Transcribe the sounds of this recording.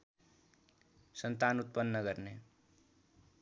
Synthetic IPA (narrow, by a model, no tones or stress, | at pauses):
sʌnt̪anut̪̚pʌnːʌɡʌɾne